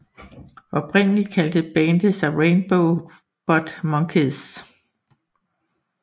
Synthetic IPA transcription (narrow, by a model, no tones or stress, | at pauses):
ɒ̽b̥ʰʁen̰əli̥kʰæld̥əb̥ɛːnd̥əsɑ̈ɪʁeɪnb̥oʊ | b̥ɒd̥mɒ̽ŋkʰeðˠs